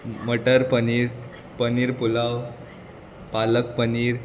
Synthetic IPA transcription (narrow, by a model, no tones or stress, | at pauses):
məʈəɾpəniɾ | pəniːɾpulaw | palək̚pəniːɾ